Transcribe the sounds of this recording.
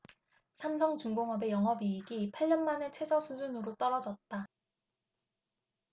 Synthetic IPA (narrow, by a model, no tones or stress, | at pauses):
sʰamsʰʌŋt͡ɕuŋɡoŋɦʌbe̞jʌŋɦʌbiiɡipʰaʎːʌnmane̞t͡ɕʰwe̞d͡ʑʌsʰud͡ʑunɯɾot͈ʌɾʌd͡ʑʌt̚t͈a